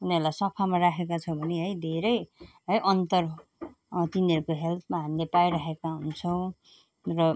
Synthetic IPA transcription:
unʌrulajsʌpʰamarakʰekat͡sʰʌ̃bʱʌneɦʌjd̪ʱeɾʌjɦʌjʔʌnt̪ʌr | t̪inʌɾukoɦelt̪maɦamilepajɾʌɦekaɦunt͡sʰʌw̃ | rʌ

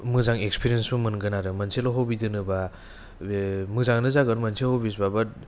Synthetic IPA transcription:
mɯzaŋekspʰiɾiensbɯmɯnɡɯnaɾɯmɐnsʰelɔɦowbidɯnɯba | mɯzaŋnɯzaɡɯɾmansʰelhowbis̬babat̚

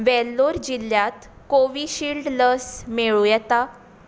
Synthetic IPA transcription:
ʋɛlːoɾd͡ʑilːjat̪ | koʋiɕilɖləsmeɭujɛt̪a

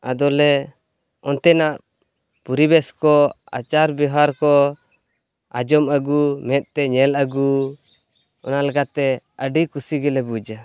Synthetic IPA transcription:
ad̪ɔlɛ | ɔnt̪ɛnaʔ | puɾibɛskɔ | a̰t͡ʃaɾbɔɦaɾkɔ | ad͡ʒɔmaɡumɛt̪̚t̪ɛɲɛlaɡu | ɔ̰nalaɡat̪ɛəɖikusiɡɛlɛbud͡ʒa

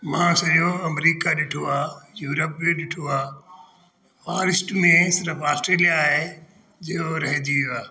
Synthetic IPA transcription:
mãːsɐɗjoɐmɾiːkaɗɪʈʰoaːjuːɾəpːẽɗɪʈʰoaː | faːɾɪsʈmẽsɪɾəfʰaːsʈɾeːlijaːɦe | d͡ʑijoɾɐɦɪ̃d̪ijoaː

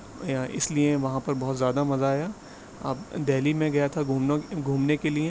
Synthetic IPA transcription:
ɪ̰slieʋɐɦãpɐɾbɔɦːt̪zjaːd̪amɐzaːja | ɐ̰bd̪ɛːlimẽɡɐjat̪ʰaɡʱuːmɡʱuːmnekelie

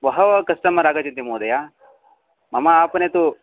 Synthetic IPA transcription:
ʋɐɦɐʋɐkɐsʈɐmɐɾaːɡɐt͡ʃint̪imuːd̪ɐja | mɐmɐaːpɐnet̪u

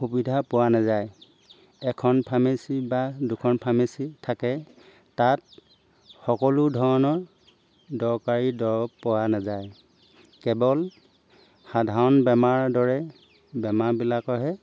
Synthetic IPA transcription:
xubidʱapʊwanazaj | ɛkʰɔnpʰamesibadukʰɔnpʰamesitʰakɛ | tat̚ | xɔkɔlʊdʱɔɹɔnɔɹ | dɔɹkaɹidɔɹpʊwanazaj | kɛbɔl | xadʱaɹɔnbɛmaɹdɔɹɛ | bɛmaɹbilakɔɦɛ

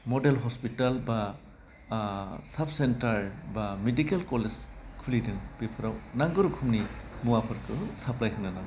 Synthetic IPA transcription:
mɔdelɦɔspitalba | sab̚sentaɾbamedikelkɔled͡ʒkʰulidɯŋb̥ipʰɯɾawnaŋɡɯɾukʰumnimuwapʰɯɾkʰɯsaplajkʰɯŋnanam

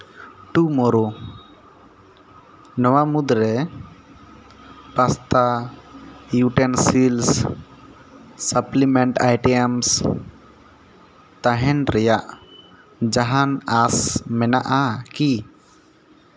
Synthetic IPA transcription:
ʈumɔɾu | nɔwamud̪ɾɛ | past̪a | juʈɛnsils | səplimɛɳʈajʈɛams | t̪ãɦɛnɾɛjaʔ | d͡ʒaɦanasmɛnaʔaki

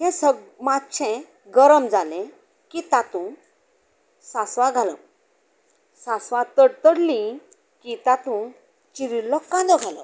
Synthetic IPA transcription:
ɦɛ̃səmatːt͡ɕʰɛ̃ | ɡəɾəmd͡zalẽ | kit̪at̪ũ | sasʋãɡʱalə̰ | sasʋãt̪əɽt̪əɽlĩ | kit̪at̪ũ | t͡ɕiɾilːɔkːãd̪ɔɡʱalə̰

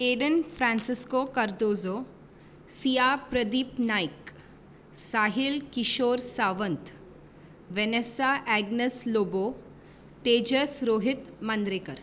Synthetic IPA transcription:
eːɖənfɾãnsɪskoːkɐɾd̪oːzoː | sijaːpɾəd̪iːpnaːjk | saːɦɪlkɪʃoːɾsaːʋənt̪ | ʋenesaʔɛɡnəsloːboː | t̪eːd͡ʒəsɾoːɦɪt̪mɐnd̪ɾeːkəɾ

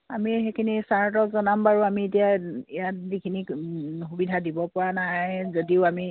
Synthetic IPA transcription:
amixekʰinisaɹt̬ɔkzɔnambaɹuamietijaijat̚dikʰinikxubidʱadibɔpʊanajzodiʊami

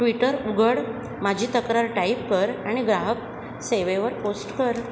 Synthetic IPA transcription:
ʈʋiʈəɾuɡʱəɽ | mad͡ʑʱit̪əkɾaɾʈaip̚kəɾaɽ̃iɡɾaɦək̚ | seʋeʋəɾposʈkəɾ

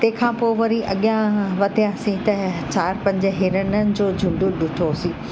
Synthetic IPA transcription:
t̪ẽːkʰãːpoːʋɐɾiʔɐɠijãʋɐt̪ijãsĩt̪ɐt͡ɕaːɾpɐ̃ɲd͡ʑəɦɪɾənənɪ̆d͡ʑoːd͡ʑʱʊ̃ɳɖũɗʊʈʰosĩː

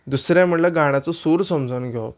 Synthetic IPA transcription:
d̪usɾjãm̤əɽlaɡaɽ̃at͡sɔsuɾsəmd͡zʱənɡʱɔ

